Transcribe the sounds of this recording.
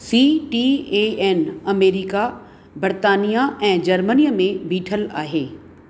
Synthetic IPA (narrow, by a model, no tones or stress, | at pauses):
siːʈieeːnɐmeːɾika | bəɾt̪aːnijaʔɛ̃ːd͡ʑɐɾmənijəmẽbʱiːʈʰəla̰ːɦeː